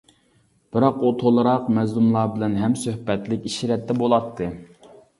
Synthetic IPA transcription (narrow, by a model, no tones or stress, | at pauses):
b̥ɪɾɑqut̪ʰolˠɨɾɑqmɛzlˠumlˠɑːbɪlɛnɦɛmsøhpɛt̪lɪkʲiʃiɾɛt̪ːɛbolˠɑt̪ʰːɨ